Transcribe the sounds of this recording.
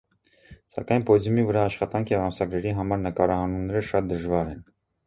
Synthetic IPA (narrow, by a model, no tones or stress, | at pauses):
sɑ̰kɑjnpɔd͡zumivəɾɑːʃχɑt̪ɑŋkʰjɛvɑmsɑɡɾɛɾiɦɑmɑɾnəkɑɾɑhɑnumnɛɾəʃɑt̪̚d̪əʒvɑɾɛn